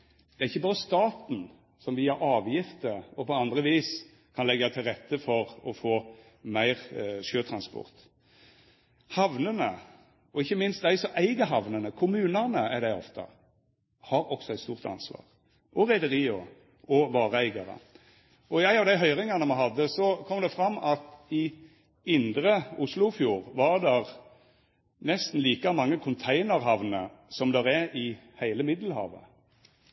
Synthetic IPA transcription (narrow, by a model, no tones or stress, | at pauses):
d̪̥ɛɾɪçːəbɑːdəst̪ɑːt̪n̩ | sɔmʋiːɑʔɑːʋjɪft̪əɔpɔɑnd̪ʁəʋiːs | kʰɑnlɛɡɑt̪ʰɪlʁɛt̪ʰːəfɔɾɔfoː | mæɪʁʃøːt̪ʰɾɑnspɔ̰ʁt̪ | hɑʋnənə | ɔɪçːəmɪnst̪d̪æɪsɔʔæɪɡəɦɑʋnənəkʰʊmʉːnənəæd̪æɪɔ̰ft̪ʰə̰ | hɑɾɔksɔɛɪt̪st̪uːʁt̪ɑ̰nsʋɑ̰ːʁ | ʔɔʁæɪd̪əʁiːɔ | ʔɔʋɑːʁəæɪɡɑʁə̰ | ɔæɪɑʋd̪æɪɦœʏʁɪŋɑnəmæɪɦɑd̪ːəsɔkʰɔmd̪ɛfʁɑmːɑt̪ɪ | ɪnd̪ɾəʊslʊfjuːʁʋɑʁd̪æʁ | nɛst̪n̩liːkɑmɑŋːəkʰʊnt̪ʰæɪnəʁɦɑʋnə̰sɔmd̪ɛʁæɾɪhæɪləmɪd̪l̩hɑ̰ːʋə̰